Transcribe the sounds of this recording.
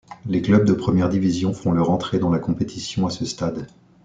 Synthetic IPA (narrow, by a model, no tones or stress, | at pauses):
leklœb̚d̪əpχəmjɛʁd̪ivizjɔ̃fɔ̃lœʁɑ̃t̪χed̪ɑ̃lakɔ̃pet̪ʰisjɔ̃asəst̪ad̪